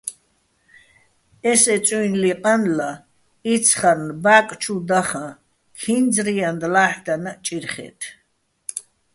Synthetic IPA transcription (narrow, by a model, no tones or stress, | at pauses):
ɛsɛt͡sʼuinliqʼanla | it̪t͡sʰχaɾnbaːkʼt͡ʃʰud̪aχã | kʰind͡zɾijand̪laːħd̪anat͡ʃʼiɾχɛ̰t̪ʰ